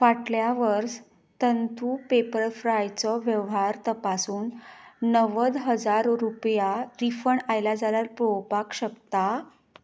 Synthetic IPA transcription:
ʋaʈljaʋəɾs | t̪ənt̪ʰupepəɾəɾfɾajt͡sɔʋjəʋɦaɾt̪əpasuːnːəʋəd̪ɦəd͡zaɾɾupjaɾifəɳajlad͡zaljaɾpɾowpakɕəkt̪a

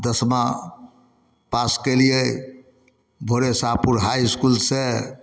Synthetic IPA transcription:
d̪əsma | paskelijej | bʱoɾesapuɾɦajskulse

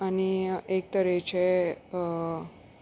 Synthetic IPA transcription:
aniek̚t̪əɾet͡ɕʰe

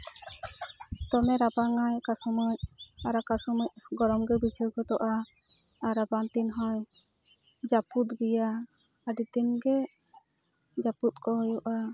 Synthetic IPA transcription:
t̪ɔmɛɾabaŋajkasuməc̚aɾakasɔməc̚ɡɔɾɔmɡɛbit͡ʃʰiɾkɔt̪ɔʔaː | ɾabant̪inɦɔj | d͡ʒaput̪ɡɛja | aɖit̪inɡɛ | d͡ʒaput̪̚kɔɦɔjɔʔa

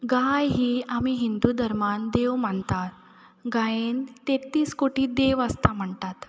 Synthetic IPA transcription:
ɡajɦiːamiɦind̪ud̪ʱəɾmand̪eʋm̤əɳt̪at̪ | ɡaent̪et̪iːskoʈiːd̪eʋəst̪am̤əɳt̪at̪

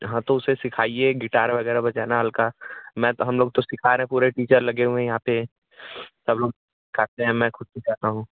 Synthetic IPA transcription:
ɦãːt̪oʊsesɪkʰaːieɡɪʈaːɾʋɐɣɛːɾabɐt͡ʃaːnaɦəlkamɛ̃ːɦɐmloːɡ̚t̪osɪkʰaːɾeɦɛ̃puːɾeʈiːt͡ʃəɾlɐɡeɦũɛ̃jɐɦãːpe | sɐbloːɡ | kʰaːt̪eɦɛ̃mɛ̃ːxʊt̪̚bʱit͡ʃaːt̪aɦũː

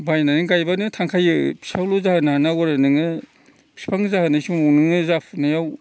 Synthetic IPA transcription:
bajnaniɡajbanɯtʰaŋkʰajɯpʰi̥sawlozahanaanawɔɾɯnɯŋɯ | pʰi̥spʰaŋzahɯnasuŋunɯŋɯzapʰnajaw

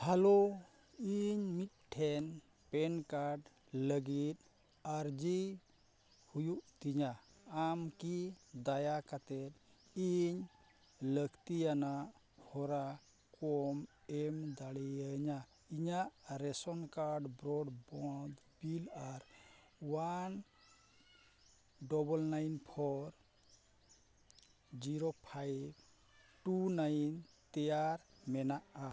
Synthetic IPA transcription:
halo | iɲmit̪̚ʈʰɛn | pɛnkaɾɖ | ləɡit̪̚ | aɾd͡ʒi | hujuʔt̪iɲaamkid̪ajakat̪ɛt̪̚ | iɲ | ləɡt̪ijanaʔ | hɔɾa | kɔmɛmd̪aɽijəɲa | iɲaʔɾɛsɔnkaɾɖbɾɔɖbɔd̪ | bilaɾ | wan | ɖɔbɔlnajnpʰɔɾ | d͡ʒiɾopʰajb | ʈunajnt̪ɛjaɾmɛnaʔa

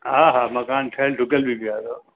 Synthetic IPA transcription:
ɦaːɦaːmɐkaːnʈʰɐlɖʱʊɡəlbʱibiaːd̪oː

